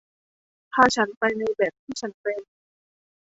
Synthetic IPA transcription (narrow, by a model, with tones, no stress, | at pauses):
t̪ʰaː˧t͡ɕʰa˦˥npa˧jna˧jbɛː˨˩p̚t̪ʰiː˥˩t͡ɕʰa˦˥npe˧n